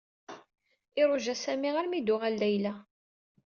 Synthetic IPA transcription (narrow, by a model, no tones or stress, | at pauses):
ɪɾˤʊʒæsæmiʁaɾmid̪ʊʁælːæjlæ